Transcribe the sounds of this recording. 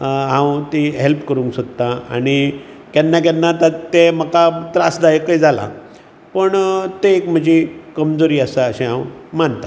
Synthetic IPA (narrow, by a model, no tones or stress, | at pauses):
ɦãwt̪iɦelpkəɾũŋksot̪ːãaɽ̃i | kanːak̬anːat̪at̪eməkat̪ɾasd̪ajekːəid͡zʱala̰ | pəɳt̪eːkm̤əd͡ʑʱikəmd͡zoɾiːəsaːɕẽɦãwmant̪a